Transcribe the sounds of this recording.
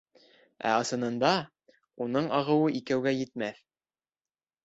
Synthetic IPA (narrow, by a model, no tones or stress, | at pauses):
æ̰ɑsɤ̆nɤ̆nd̪ɑ | unɤɴɑʁɤ̆wɤʔikæwɡæjɘ̆t̪mæθ